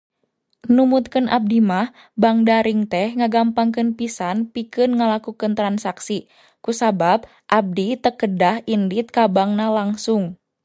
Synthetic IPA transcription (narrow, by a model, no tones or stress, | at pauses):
numut̪̚kɨnʔa̰b̚dimah | baŋdaɾiŋt̪ɛhŋaɡampaŋk̬ɨnpisanpikɨnŋəlakukɨnt̪ɾansaksi | kusabab̚ | ʔab̚dit̪əkədahʔindit̪̚kabaŋnalaŋsʊŋ